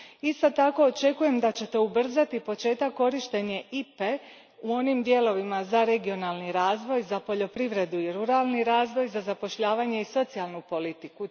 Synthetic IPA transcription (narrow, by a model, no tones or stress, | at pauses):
ist̪o̞t̪ako̞ːt͡ʃe̞kuje̞md̪at͡ɕe̞t̪eubr̩zat̪ipo̞t͡ʃe̞ːt̪akːo̞ɾiʃt̪e̞ɲe̞ʔipe̞ | uo̞nimd̪je̞lo̞ʋimazaɾe̞ɡio̞nalˠniɾaːzʋo̞jzapo̞ʎo̞pɾiʋɾe̞d̪uiɾuɾalˠniɾaːzʋo̞jzazapo̞ʃʎaːʋaɲe̞iso̞t̪sialˠnupo̞lit̪iku